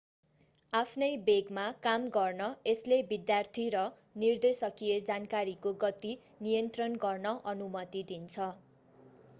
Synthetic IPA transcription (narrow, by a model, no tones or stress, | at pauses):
apʰnʌjbeɡmakamɡʌrnʌeslebid̪jart̪ʰiɾʌ | nird̪esʌkijed͡zankaɾikoɡʌt̪i | nijʌnt̪rʌnɡʌrnʌʔʌnumʌt̪id̪int͡sʰʌ